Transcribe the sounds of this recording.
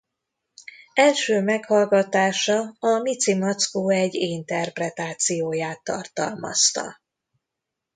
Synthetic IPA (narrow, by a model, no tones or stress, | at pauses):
ɛlʃøːmɛkhɒlɡɒt̪aːʃɒɒmit̪simɒt̪skoːɛɟint̪ɛrprɛt̪aːt̪sijoːjaːt̪ːɒ̰rt̪ɒ̰lmɒ̰st̪ɒ̰